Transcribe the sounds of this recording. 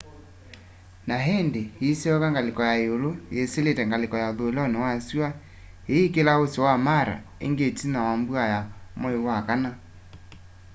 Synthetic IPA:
naɦendeheseɔkaŋɡalekɔjaeolojeseletɛŋɡalekɔjaoðolaonewaswa | eekelaosowamaɾa̰ | ḛŋɡetinawambwajamɔewakana

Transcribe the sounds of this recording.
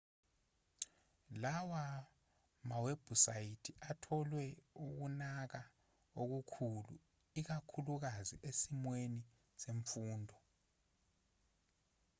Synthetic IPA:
lawa | maweb̥ʱusajitʰiʔatʰɔlwɛuk̬unak̬a | ok̬ukʰulṵ | ik̬akʰuluk̬aziʔesimweni | seɱfuːndʱɔ

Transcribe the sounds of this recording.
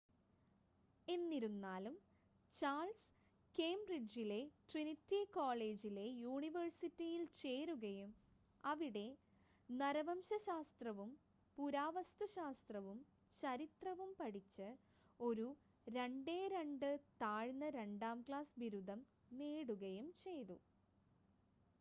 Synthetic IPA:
e̞nːiɾunːaːlum | t͡ɕaːɭs | keːmbrid͡ʑile̞ʈrinitːikoːle̞ːd͡ʑile̞juːɳiʋɐrsitːijilt͡ɕe̞ːɾuɣɐjum | ɐʋiɽe̞ | nɐɾɐʋɐmɕɐɕaːst̪rɐʋum | puɾaːʋɐst̪uɕaːst̪rɐʋum | t͡ɕɐɾit̪rɐʋumpɐɽit͡ɕːɨ | o̞ɾu | ɾe̞ɳɖeːɾeɳɖɨt̪aːɻnːɐɾe̞ɳɖaːmkɭaːsbiɾud̪ːɐm | neːɽuɣɐjumt͡ɕe̞jt̪u

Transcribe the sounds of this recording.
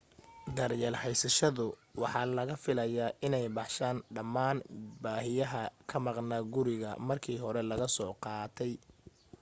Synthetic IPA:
d̪ɐrjɛlħɛjsɐʃɐðʊwɑħɑlɐɣɐfɪlɐjaːʔɪnɛjbɑħʃaːnɖɐmːaːnbaːɦɪjɐɦɐkʰɐmɑqnɐɡʊɾɪɣɐ̰mɐrkʰiːɦɔɾɛlɐɣɐsɔːqɑːt̪ʰɛj

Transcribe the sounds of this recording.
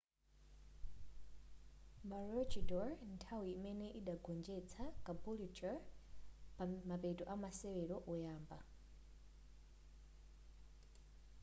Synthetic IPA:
maɹɔt͡ʃidɔɹntʰawiːmɛnɛʔiɗaɡʱɔnd͡ʒɛt͡sʰakʼabulit͡ʃɔɹ | pamapɛtʼɔʔamasɛwɛɾɔʔɔjaːmba̰

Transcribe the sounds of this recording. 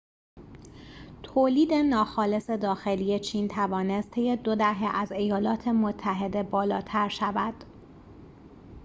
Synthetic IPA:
t̪ʰoːliːd̪e̞nɒːxɒːle̞se̞d̪ɒːxe̞liːje̞t͡ʃʰiːnt̪ʰævɒːne̞st̪ʰe̞je̞d̪od̪æɦeʔæze̞jɒːlɒːt̪ʰe̞mot̪ʰːæɦe̞d̪e̞bɒːlɒːt̪ʰæɾʃævæd̪̥

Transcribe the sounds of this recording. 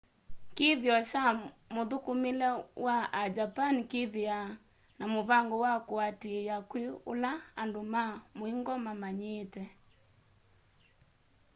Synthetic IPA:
keðjɔʃa | moðokomelɛwaad͡ʒapanikeðia | namoβaŋɡɔwakoatiejakweolaandomamoiŋɡɔmamaɲeːtɛ

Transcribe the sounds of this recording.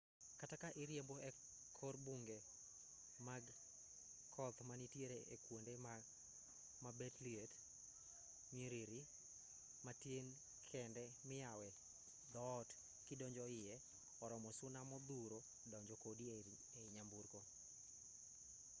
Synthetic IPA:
katakaʔɪɾjemboɛ | kʰɔrbuŋɡe | maɡ | kʰɔt̪manitjeɾeḛkwondema | mabetliet | miɾiɾi | matjen | kʰɛndɛ | mɪjawɛ | d̪ɔt | kɪdɔɲd͡ʒɔɪjɛ | ɔɾɔmɔsʊnamɔd̪uɾo | dɔɲd͡ʒɔkodi | eiɲambuɾko

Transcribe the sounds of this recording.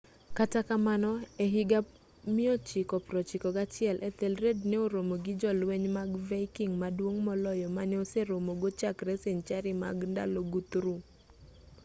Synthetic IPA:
katakamanɔeɦɪɡa | mɪɔt͡ʃɪkɔpɾɔt͡ʃɪkɔɡat͡ʃɪɛlʔɛt̪elɾedneoɾomoɡɪd͡ʒɔlweɲmaɡvaikiŋmadwoŋmɔlɔjɔmanɛoseɾomoɡot͡ʃakɾɛseɲt͡ʃaɾɪma̰ɡnda̰loɡut̪ɾu

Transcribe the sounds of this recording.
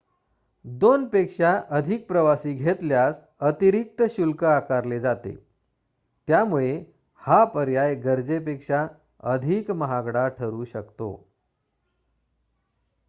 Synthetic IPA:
d̪onpekʂaʔəd̪ʱik̚pɾəʋasiːɡʱet̪ljas | ət̪iɾik̚t̪əɕulkəakaɾled͡zat̪ḛ | t̪jamuɭe | hapəɾjajɡəɾd͡zepekʂa | əd̪ʱikməɦaɡɽaʈʰəɾuːɕəkt̪o̰

